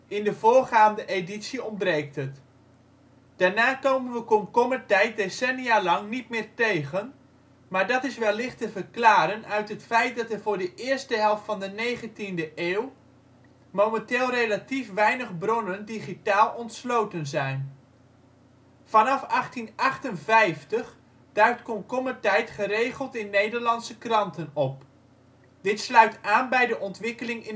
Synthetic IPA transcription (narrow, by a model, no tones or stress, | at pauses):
ɪndəvʊːɹχaːndəʔeditsiɔmbrejk̚tɦət | d̥aːɹnaːkowməndəkɔmkɔmətɛjt̚desɛnijalɑŋnitmɪːɹtejχən | maːɹdɑtɪsʋɛlːɪχtəvəɹklaːɾənœɥtɦətfɛjt̚dɑtəɹvʊːɹdəʔɪːɹstəɦɛlˠftfɑndənejχəntindəʔeːw | momɛnteːlˠrejlatifʋɛjnəχbrɔnəndiχitaːlˠɔntslowtənzɛjn | fɑnɑfɑχtinɑχtənvɛjftəχ | d̥œɥtkɔnkɔmətɛjtχəɾejχəlˠtɪnːejdəɹlɑnsəkrɑntənɔp | d̥ɪtslœɥtaːnbɛjdəʔɔntʋɪkəlɪŋɪ